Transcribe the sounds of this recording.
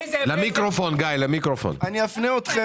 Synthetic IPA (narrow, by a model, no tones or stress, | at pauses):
lamikʁofonɡajlamikʁofo̰naniafneot̪χe